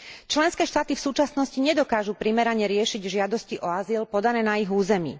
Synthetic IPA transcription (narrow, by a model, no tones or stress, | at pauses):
t͡ʃlɛnskɛːʃt̪aːt̪ifsuːt͡ʃasnɔsciɲɛd̪ɔkaːʒupɾimɛɾaɲɛɾɪɛʃiɟʒɪad̪ɔsciʔɔazilpɔd̪anɛːnaiɦuːzɛmḭː